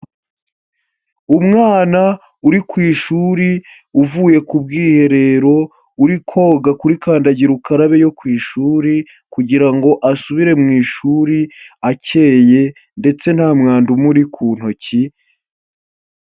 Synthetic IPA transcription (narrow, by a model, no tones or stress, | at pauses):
umŋaːna | uɾikwiːʃuɾi | uvuːje̞kub̚ɡiːhe̞ɾe̞ɾo̞ | uɾikʰo̞ːɡakuɾikaːndaɟiɾukaɾaβe̞jo̞kwiːʃuːɾi | kuɟiɾaŋɡo̞ʔasuβiɾe̞mŋiːʃuɾiace̞ːje̞ | nde̞t͡se̞n̥haːmŋaːndumuɾikʰuːn̥hoci